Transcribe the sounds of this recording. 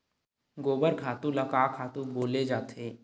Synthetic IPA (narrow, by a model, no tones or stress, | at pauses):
ɡoːbəɾkʰaːt̪ũlɐkaːkʰaːt̪ũboːled͡ʒaːt̪ʰeː